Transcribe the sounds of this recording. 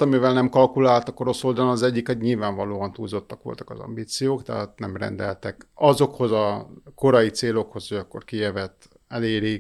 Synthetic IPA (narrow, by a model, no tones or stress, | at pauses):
t̪ɒmivɛlnɛmkɒlkulaːlt̪ɒko̞ɾo̞so̞ld̪ɒnnɒzɛɟːikhoɟɲilvaːɱvɒloːɒnt̪uːlzo̞t̪ːɒkʋo̞̰lt̪ɒ̥kɒ̰zɒ̰mbiːt̪sijoːkt̪ɛ̰ɦat̪nɛmrɛ̰nd̪ɛlt̪ɛkɒzo̞kho̞zɒko̞ɾɒjit̪seːlo̞kho̞soɟɒkːo̞̰rkijɛvɛt̪ː | ɛleːɾi